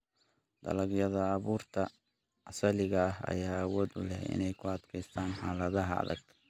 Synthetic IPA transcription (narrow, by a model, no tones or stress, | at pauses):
d̪̥ɐ̰lɐɡjɐðɐːβuːrt̪ʰɐ | ʔɐsɐlɪɣɐːɦɐ̰jaːwɔːd̪ʊlɛhɪ̰nɛjkʰʊɐd̪kʰɛjst̪ʰaːnħaːlɐðɐɦɐɐ̰ðɐ̰ɡ̥kʰ